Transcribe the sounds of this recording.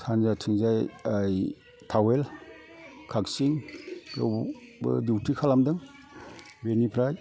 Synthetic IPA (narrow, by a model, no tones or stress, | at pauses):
sʰanzatʰiŋzajaj | tʰawel | kʰak̚siŋɾɔwbɯ̰diwtʰikʰalamdɯŋ | benipʰɾaj